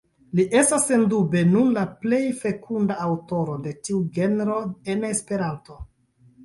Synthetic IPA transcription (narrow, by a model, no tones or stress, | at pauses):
liʔe̞stasːendube̞nunlaple̞jfe̞kʰundaːwto̞ɾo̞de̞tiuɡe̞neɾo̞ene̞spe̞ɾanto̞